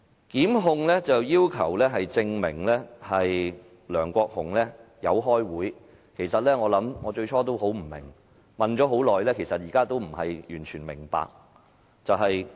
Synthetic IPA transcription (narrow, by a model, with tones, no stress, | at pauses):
kiː˨˥mɦʊ˧ŋlɛː˥t͡sɐ˨wjiː˥wkʰɐ˨˩wlɛː˥ɦɐ˨jt͡sɪ˧ŋmɪ˨˩ŋlɛː˥hɐ˨j | lœː˨˩ŋkʷɔː˧k̚hʊ˨˩ŋlɛː˥jɐ˨˧wɦɔː˥jwuː˨˥j | kʰe˨˩jsɐ˨t̚lɛː˥ŋɔː˨˧lɐ˨˥mŋɔː˨˧t͡ʃɵ˧ɥt͡ʃʰɔː˥t̪o˥wɦo˨˥wm̩˨˩mɪ̰˨˩ŋ | mɐ˨nt͡ʃɔː˨˥ɦo˨˥wlɔː˨jlɛː˥kʰe˨˩jsɐ˨t̚jiː˨kaː˥t̪o˥wm̩˨˩hɐ˨jjyː˨˩nt͡ʃʰyː˨˩nmɪ̰˨˩ŋpa̰ː˧k̚ | t͡sɐ˨wɦɐ˨j